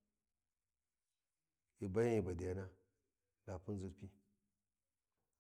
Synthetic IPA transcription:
i˨ba˦ja˦i˨ba˨da˨ja˦na˦ | la˨pu˦n˦zu˦ɾpi˦

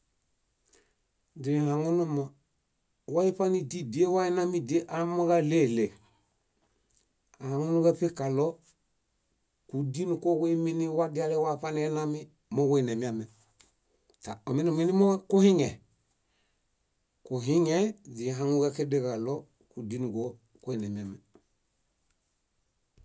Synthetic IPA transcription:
d͡ʒi˨hã˨ŋɔ˦nɔ˧mɔ˨ | wa˦i˦pa˦ni˧di˨di˨e˦wa˦ɛ˦nã˦mĩ˦˨di˨e˦ʔa˨mɔ˦ɣa˦le˦˨le˨ | a˨hã˨ŋɔ˦nũ˦kɛ˦pe˦ka˨lɔ˦ | ku˨di˦nũ˨kɔ˦we˦i˦mĩ˦nĩ˦wa˦di˦a˧lɛ˧˦wa˦˨pa˦ni˧˦ɛ˦nã˦mi˦ | mɔ˦ke˦˨nɛ˨mi˨˦a˨mɛ˨ | ta˨ɔ˨mi˦na˨mi˦ni˦mɔ˦ku˦hĩ˦ŋɛ˨ | ku˨ɦĩ˦ŋɛ˦d͡ʒi˨ɦa˧ŋu˦ɡɛ˦ke˦de˦ka˨lɔ˦ | ku˨di˦nu˨ɡɔ˦ | ke˦i˨nɛ˨mi˨a˨mɛ̃˨

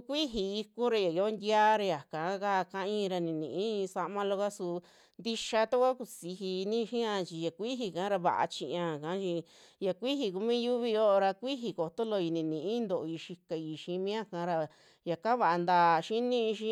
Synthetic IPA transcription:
u˧kʷi˦ɦi˧i˧ku˦ɾa˧ja˨o˦nd̪ʲja˦ɾa˧ja˨kã˨˦ka˦˧kã˧ĩː˦˧ɾa˧nĩ˧nḭ̃˨ʔĩ˦˧sa˧mã˧lo˧ka˦su˧ | nd̪i˧ʃa˧t̪a˦kʷa˦ku˧si˧ɦi˧nĩ˦˧ʃĩ˦ã˧t͡ʃi˧ja˨kʷi˦ɦi˧kã˨˦ɾa˧βa̰˨ʔa̰˧t͡ʃĩ˧ʔã˧˨kã˨˦t͡ʃi˧ | ja˧kʷi˦ɦi˧ku˧mĩ˦ju˦βi˧o˦˧ɾa˧kʷi˦ɦi˧ko˨t̪o˦lo˧i˧nĩ˧nĩ˨ʔĩ˦nd̪o˨ʔi˧ʃi˧ka˧i˧ʃĩ˧˦mĩ˦ã˦kã˧˦ɾa˧ | ja˨ka˦βa˧ʔa˧nd̪aː˧˨ʃi˦nĩ˦ĩ˧ʃĩ˦

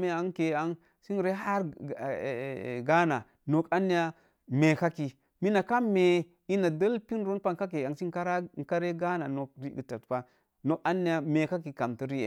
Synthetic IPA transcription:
me˦a˦ŋke˨a˦ŋ | si˦n˨ɾe˦ɦa˦ɾ | ɡa˦na˨ | no˨ka˦ni˦ja˦ | me˨ka˦ki˨ | mi˦na˨ka˦me˨ | i˦na˨da˦lpi˦n˦ɾo˦n˦pa˦ka˦k̬e˨a˨ŋsi˦ka˦ɾa˦ŋ˨ka˦ɾe˦ɡa˦na˨no˨k̚ɾi˦ɡə˨ta˨tpa˦ | no˦ka˦nːi˦ja˨me˨ka˦ki˨ka˨mti˦ɾi˦jḛ˨

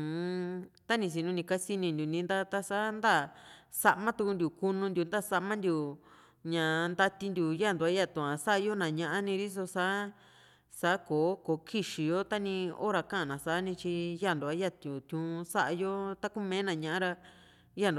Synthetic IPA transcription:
t̪a˦nĩ˧s̬i˧˨nũ˧nĩ˧ka˦si˧nĩ˧nd̪ʲu˨nĩ˧˦nd̪a˦t̪a˧sa˦nd̪a˦˨sa˧ʔmã˦t̪u˧ku˧nd̪ʲu˨ku˧nũ˧nd̪ʲu˧nd̪a˦˨sa˧mã˦nd̪ʲju˨ | ɲã˨nd̪a˧t̪i˧nd̪ʲu˨ja˦˨nd̪u˨a˦ja˦˧˨t̪ũ˨ã˨sa˦ʔa˧jo˦nã˨ɲã˧ʔa˦nĩ˧ɾi˦s̬o˧sa˦ | sa˨˦koː˨˦ko˨kʰi˦ʃi˨jo˦t̪a˦nĩ˧o̰˦ɾa˧kã˦ã˨nã˨sa˨˦nĩ˧t͡ʃi˧ja˦˨nd̪u˨a˦ja˦t̪jũ˨t̪ʲũ˧˦˧sa˦ʔa˧jo˦t̪a˦ku˦mẽː˨˦nã˨ɲã˧ʔã˦ɾa˧ | ja˦nd̪u˧

